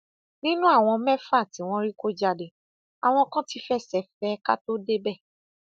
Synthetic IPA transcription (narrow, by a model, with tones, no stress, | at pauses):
nĩ˦nũ˦a˦˨w̃ɔ̃˧mɛ̃˦fa˦˨tĩ˨˦w̃ɔ̃˦ɾi˦ko˦d͡ʒa˧de˨ | a˨w̃ɔ̃˧kã˦ti˨˧fɛ˦˨sɛ˨fɛ˦ka˦to˦de˦bɛ˦˨